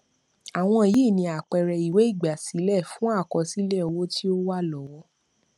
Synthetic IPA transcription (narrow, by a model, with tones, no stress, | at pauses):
a˨w̃ɔ̃˧˨ji˦˨nĩ˧a˨k͡pɛ˨ɾɛ˧i˨we˨˦i˦˨ɡ͡ba˨si˨˦lɛ˦˨fũ˦a˦˨kɔ˧si˦le˦ɔ˧wo˦ti˦o˦wa˦lɔ˨˦wɔ˦